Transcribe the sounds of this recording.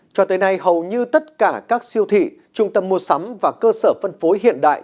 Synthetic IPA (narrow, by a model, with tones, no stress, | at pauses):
t͡ɕɔ˧t̪əː˨˦jna˧jhə˨˩wɲɨ˧t̪ə˦˥t̚kaː˧˩kaː˦˥k̚si˧əwt̪ʰḭ˧˨ | t͡ɕʊ˧ŋ͡mt̪ə˧mːu˧˩əsa˨˦mvaː˨˩kəː˧səː˧˩fə˧nfo˨˦jɦḭ˧˨ənɗa̰ː˧˨jʔ